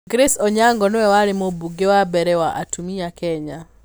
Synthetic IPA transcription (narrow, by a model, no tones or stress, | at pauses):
ɡɾesɔɲaŋɡɔnowɛwaɾɪmobuɡewabɛɾɛwaʔatumiakɛɲa